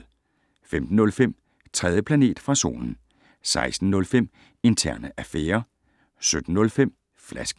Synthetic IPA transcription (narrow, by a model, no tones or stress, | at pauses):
femd̥n̩ɔ̽lfem̰ | t͡sʰʁɛð̞ˠjəpʰlæne̝̰ːd̥fʁɑ̈so̝̰ːnn̩ | sɑ̈ɪsd̥n̩ːɔ̽lfem̰ | e̝nt͡sʰæɐ̰nəʔæfeːɐ | sød̥n̩ːɔ̽lfem̰ | flæsɡ̥